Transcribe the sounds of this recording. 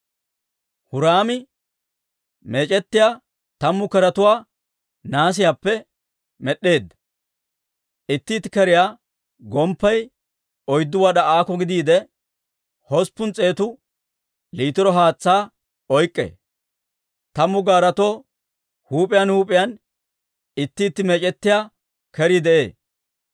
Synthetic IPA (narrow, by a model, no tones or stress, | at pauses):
hʊɾaːmɪ | meːt͡ʃʼɛt̪ːɪjaː | t̪ɐmːʊkɛɾɐt̪ʊwaː | naːs̬ɪjapːɛ | mɛɗːe̞ːd̪ːɐ̥ | ʔɪt̪ːɪːt̪ɪkɛɾɪjaː | ɡɔmpːɐj | ɔjd̪ːʊwɐɗɐaːkɔɡɪd̪iːd̪ɛ | hɔspːʊnt͡sʼe̞ːt̪ʊ | liːt̪ɪɾɔɦaːt͡sːaː | ɔjkʼːḛː | t̪ɐmːʊɡaːɾɐt̪oː | huːpʼɪjanhuːpʼɪjan | ɪt̪ːiːt̪ːɪmɛt͡ʃʼɛt̪ːɪjaː | kɛɾid̪ɛʔe̞̰ː